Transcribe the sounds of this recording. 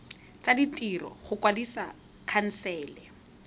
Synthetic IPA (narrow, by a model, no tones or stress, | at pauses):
t͡saditʼirɔ̰χʊkwadisa̰ | kʰan̩sɛːlɛ